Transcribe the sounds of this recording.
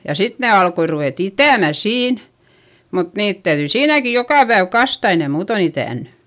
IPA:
jɑ sit ne ɑlkoi ruʋeˑt itæˑmæ siːn mut niːt tæyðyi siːnæki jokɑˑ pæeʋ kɑstɑ ei ne muːton itæˑnːy

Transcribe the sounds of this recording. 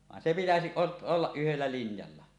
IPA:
ʋɑˑen se pitæsiʔ ʔot olːɑʔ ʔyhelːæ linjɑlːɑ

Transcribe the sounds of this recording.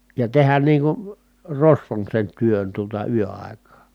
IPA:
jɑ tehæn niːŋ kun̞ rosʋon sen tyøn tuotɑ yøɑˑi̯kɑː

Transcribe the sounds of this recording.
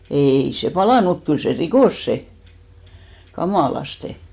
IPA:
eˑi se pɑlɑˑnu muk kyl se rikoˑs se kɑmɑˑlɑste

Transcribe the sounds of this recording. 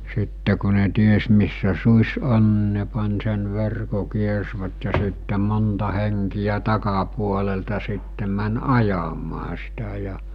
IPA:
sitːe ku ne ties misːæ suːsʲ on ni ne pɑnʲ sen ʋerko kiersʋæt jɑ sitːe montɑ heŋkijæ tɑkɑpuoleltɑ sitːe mæn ɑjɑmɑː sitæ jɑ

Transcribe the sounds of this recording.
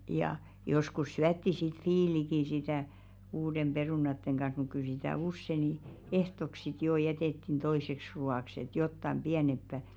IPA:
jɑ joskus syætːi sit fiːliki sitæˑ uːdem b̥eruˑnɑtːeŋ ɡ̊ɑn̞h̞ muk kyl sitæˑ usːe ni ehtok sit joˑ jɛteˑtːin toiseks ruɑˑks et jotːɑm b̥iænempːæ

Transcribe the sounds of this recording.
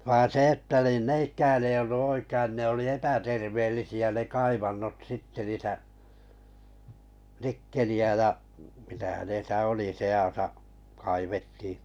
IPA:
ʋɑːn̞ se etːæ nin n eikæːn ei olːu oikəĭn ne oli epæterʋeːlːisiæ ne kɑiʋɑnːot sitːe niːtæ nikːeliæ jɑ mitæ hænesæ oli seɑsɑ kɑiʋetːiː

